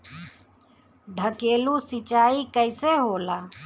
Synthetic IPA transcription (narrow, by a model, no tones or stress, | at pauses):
ɖʱəkeːlusit͡ʃaːikəɪseɦoːlaː